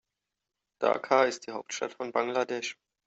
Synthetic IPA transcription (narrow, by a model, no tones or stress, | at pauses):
d̥a̰ːkʰaːɪst̚d̥iːɦaʊp̚tʃta̰tfɔnbaŋladɛʃ